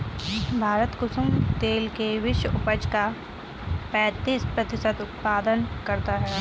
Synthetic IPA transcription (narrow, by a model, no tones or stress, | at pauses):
bʱaːɾət̪kʊsʊmt̪eːlkeʋɪʃwəʊpəd͡ʒka | pɛ̃ːt̪iːspɾɐt̪ɪsət̪ʊt̪̚paːd̪ənkɐɾt̪aɦɛː